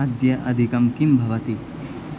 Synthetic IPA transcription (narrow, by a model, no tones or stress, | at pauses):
d̪jɐʔɐd̪ʱikɐmkimbʱɐʋɐt̪i